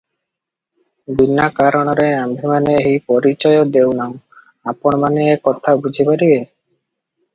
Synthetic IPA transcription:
binːakaɾoɽ̃ɔɾeambʱimaneɦipɔɾit͡ɕɔjod̪ewnao | apoɽ̃baniekɔt̪ʰabud͡ʑʱipaɾibe

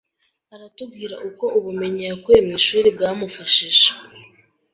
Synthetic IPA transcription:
aɾatub̚ɡiːɾa̰ʔuko̞oβume̞ɲakwe̞ːmiʃuːɾibɡaːmufaʃiʃe̥

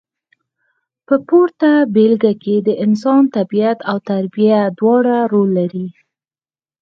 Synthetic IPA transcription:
pəpoɾt̪abelɡaked̪əʔɪns̬ɑnt̪abijat̪awt̪aɾbijad̪wɑɽaɾolːaɾi

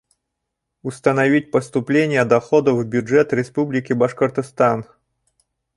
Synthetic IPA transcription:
ʊst̪ənɐvʲit̚ʲpəst̪ʊplʲenʲɪjəd̪ɐxod̪əvbʲʊʐɛt̪ɾʲɪspublʲɪkʲɪbɐʂkərt̪ɨst̪an

